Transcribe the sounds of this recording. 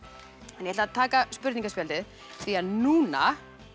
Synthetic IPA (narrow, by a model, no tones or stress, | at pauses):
ɛnjɛaat̪ʰaːkaspʏɾt̪iŋkasfpjɛlt̪ɪð | θviaðnuːna̰